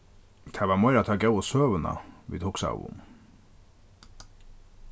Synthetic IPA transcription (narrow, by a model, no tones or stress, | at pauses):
t̪ʰæʋɑːmɔʏɾɑt̪ʰɑɡɑʊosøːʋənɑ̰ʋḭːt̪ʰʊːksæ̰ʊ̰m